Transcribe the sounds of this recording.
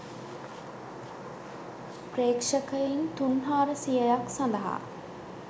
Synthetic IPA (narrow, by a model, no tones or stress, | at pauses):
preːkʂəkəjint̪unɦaːɾəsijəjaksɐnd̪əɦa̰ː